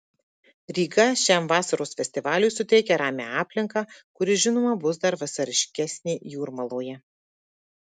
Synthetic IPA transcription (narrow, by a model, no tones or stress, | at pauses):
ɾʲiːɡɐʃʲæmʋɑːsɐɾoːsfʲɛsʲt̪ʲɪʋɑːlʲʊjsʊt̪ʲɛɪkʲɛɾɑːmʲḛɑːpʲlʲɪŋkɑkʊɾʲɪʒʲɪnoːmɐbʊsd̪ɐɾʋɐsɐɾʲɪʃʲkʲɛsʲnʲiːjuːɾmɐlˠoːjɛ